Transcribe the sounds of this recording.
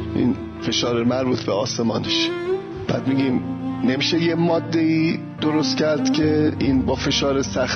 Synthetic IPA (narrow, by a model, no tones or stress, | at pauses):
ʔḭːn | fe̞ʃɒːɾemæɾbuːt̪ʰbeɒːse̞mɒːneʃ | b̥æ̰ːd̪miɡimnemiːʃejemɒːd̪ːe̞iː | d̪̥oɾo̞st̪cʰæɾd̪̥cʰe̞inbɒːfe̞ʃɒːɾesæx